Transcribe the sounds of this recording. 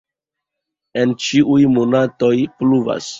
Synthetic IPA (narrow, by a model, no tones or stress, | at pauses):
e̞nt͡ʃiʔujmonato̞jpluva̰s